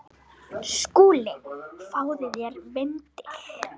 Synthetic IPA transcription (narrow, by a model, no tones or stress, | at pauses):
skuːlɪfaːwðɪðjɛɾvɪnt̪ɪx